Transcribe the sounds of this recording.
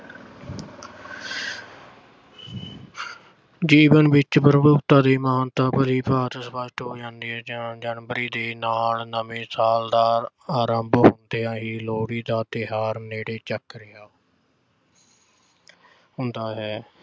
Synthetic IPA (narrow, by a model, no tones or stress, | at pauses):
d͡ʒiːʋənʋɪt͡ʃpəɾəbʊt̪ãːd̪eːmaːnt̪aːpəliːpaːɾəsbaːsʈ̪ɦoːd͡ʒãːnd̪iːɦɛːd͡ʒad͡ʒənʋəɾiːd̪eːnaːlnəʋẽːsaːld̪aː | aːɾəmbɦʊnd̪eːãːɦiːloːɽiːd̪aːt̪ɪɦaːɾneːɽeːt͡ʃəkːɾɪaː | ɦʊnd̪aːɦɛː